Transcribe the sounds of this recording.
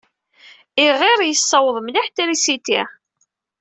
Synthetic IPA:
iʁɪɾjəsˤːɑwəðˤmliħt̪æɾisit̪ḭ

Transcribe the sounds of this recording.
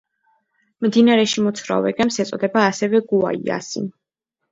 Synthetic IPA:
md̪inaɾɛʃimɔt̪sʰvɾa̰vɛɡɛmsɛt̪sʼɔd̪ɛbaːsɛvɛɡua̰ḭa̰sḭn

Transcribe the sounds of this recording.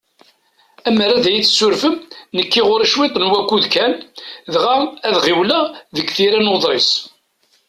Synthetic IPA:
æmɾæðjiθsːʊɾfəmnəkːiʁʊɾiʃwɪt̪ˤnwækːuðkænðʁaæðʁiwlæðəɡθiɾænoðˤɾɪs

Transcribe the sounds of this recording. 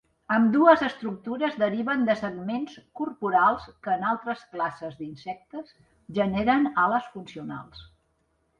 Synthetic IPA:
əmd̪uəzəst̪ɾuk̚t̪uɾəzðəɾiβənd̪əsəɡmenskurpuɾalˠskəːnalˠt̪ɾəsklasəzd̪insɛk̚t̪əs | ʒəneɾənaləsfunsiuna̰lˠs

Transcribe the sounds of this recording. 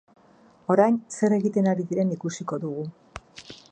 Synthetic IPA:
o̞ɾajnse̞ɾe̞ɣit̪e̞naɾiðiɾe̞nikusiko̞ðuɣu

